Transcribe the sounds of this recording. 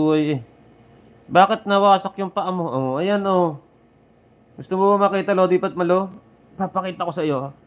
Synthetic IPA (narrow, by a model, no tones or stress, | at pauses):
uːɐjɛ | baːkɪt̪̚nɐwaːsɐkjʊŋpɐʔamoʔoʔɐjanʔo | ɡʊst̪ʊmobɐmɐkiːt̪ɐlood̪iːpɐt̪̚mɐlo | papɐkiːt̪ɐko̞sɐjo̞